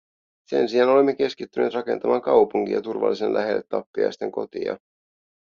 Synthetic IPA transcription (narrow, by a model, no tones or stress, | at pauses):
se̞̰nsiɑno̞lemːe̞k̟e̞skit̪ːyneːt̪rɑke̞̰nt̪ɑmɑːŋkɑwpuŋk̟ḭjɑ̰t̪urʋɑ̰lːisenlʔæ̰ɦe̞lːet̪ːɑpːiɑ̰jst̪e̞̰ŋko̞̰t̪ḭjɑ̰